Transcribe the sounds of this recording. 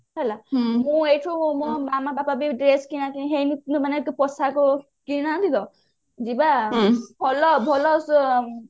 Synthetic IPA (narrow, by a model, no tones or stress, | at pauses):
elamũejʈʰomɔmamabapabiɖɾeskinakinɦejninumanekopɔsako | kinad̪id̪ɔ | d͡zibabʱɔlɔbʱɔlɔs